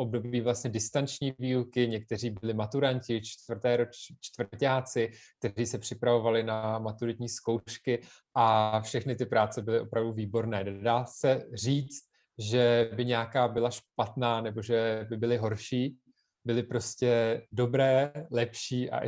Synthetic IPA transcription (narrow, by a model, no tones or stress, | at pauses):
ʔo̞b̚do̞biːvlasɲɛdɪst̪ant͡ʃɲiːviːukɪɲɛk̚t̪ɛr̝iːbɪlɪmat̪uɾancɪt͡ʃt̪vr̩t̪ɛːɾot͡ʃt̪vrcaːt͡sɪk̚t̪ɛriːsɛpr̝̥ɪpɾavo̞valɪnamat̪uɾɪt̪ɲiːsko̞wʃkɪ | ʔafʃɛxnɪt̪ɪpɾaːt͡sɛbɪlɪʔo̞pɾavduviːbo̞ɾnɛːnɛdaːsɛriːt͡st̪̚ | ʒɛbɪɲɛakaːbɪlaʃpat̪naːnɛbo̞ʒɛbɪbɪlɪɦo̞ɾʃiː | bɪlɪpɾo̞scɛdo̞bɾɛːlɛpʃiːʔa̰ʔ